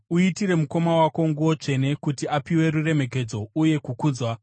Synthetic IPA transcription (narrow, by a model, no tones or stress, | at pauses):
uitire̞muko̞mawako̞ŋɡuwo̞t͡ʂe̞ne̞kutiapiwe̞ɾure̞me̞ke̞d͡zo̞uje̞kukuːd͡zwa